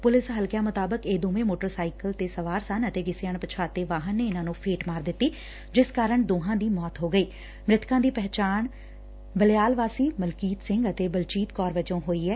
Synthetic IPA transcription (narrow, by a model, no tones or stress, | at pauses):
pʊlɪsɦəlkɪjaːmʊt̪aːbəkeːd̪oːʋẽːmoːʈəɾsaːikəlt̪eːsəʋaːɾsənət̪eːɡɪseəːɳpət͡ʃʰaːt̪eːʋaːɦənːeːɪnãːnũːpʰeːʈmaːɾd̪ɪt̪ːiː | d͡ʒɪskaːɾəɳd̪oːɦãːd̪iːmɔːt̪ɦoːɡəiː | mɾɪt̪ʰkãːd̪iːpɛɦt͡ʃaːɳ | bəlɪjaːlʋaːsiːməlkiːt̪sɪ̃ŋɡət̪eːbəlt͡ʃiːt̪kɔːɾʋət͡ʃõːɦoːiːɛː